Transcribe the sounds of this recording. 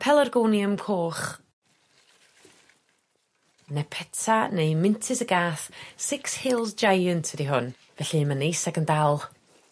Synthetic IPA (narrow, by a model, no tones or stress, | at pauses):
pʰɛlˠərɡoːniəmkʰoːχ | nɛpʰɛtʰanejmɪntʰɪsəɡaːθsɪkshɪlˠzd͡ʒajəntʰədiɦʊn | vɛɬimanejsɛɡəndalˠ